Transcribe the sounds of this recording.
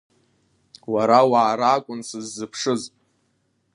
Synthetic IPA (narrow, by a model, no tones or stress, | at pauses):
waɾawaːɾaːkʷʼʊnsɨzːɨpʰʂɨzʼ